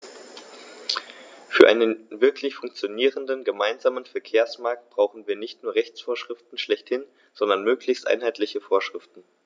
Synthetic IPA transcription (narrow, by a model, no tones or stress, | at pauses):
fyːɐʔa̰ɪnənvɪɐkʰlɪçfʊŋk̚t͡sjoniːʁəndənɡəmaɪnzaːmənfɛɐkʰeːɐsmaɐk̚t̚b̥ʁ̥aʊxn̩viːɐnɪçtnuːɐʁɛçt͡sfoːɐʃʁ̥ɪftn̩ʃlɛçthɪn | z̥ɔndɐnmøːkʰlɪçstʔa̰ɪnɦaɪtlɪçəfoːɐʃʁ̥ɪftn̩